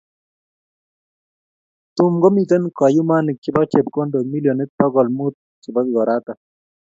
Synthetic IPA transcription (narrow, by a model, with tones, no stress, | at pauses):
t̪u˨mɡɔ˦mi˨t̪a˦nka˨ju˦ma˦nɪ˨k̚t͡ʃɪ˦ba˦k̚t͡ʃe˨p̚ko˦ndo˨mi˦ljo˨ne˦t̪̚bɔ˦ɡɔ˨lmu˦t̪̚ | kɪ˨ba˦k̚ɡɔ˨ɾa˦t̪a˨